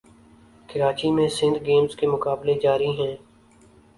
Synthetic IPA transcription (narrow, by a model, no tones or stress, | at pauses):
kʰɪɾaːt͡ʃimẽsɪ̃nd̪ɡeːmzkemʊkaːbled͡ʒaːɾiɦɛ̃ː